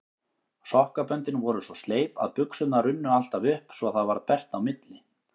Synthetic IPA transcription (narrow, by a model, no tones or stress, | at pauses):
sɔwhkapœnt̪ɪnvɔɾʏsɔst̪leːjpa̰ðpʏksʏt̪naɾʏnːʏal̥t̪avʏhpsvɔðθaðvaɾpɛr̥t̪awmɪt̪lɪ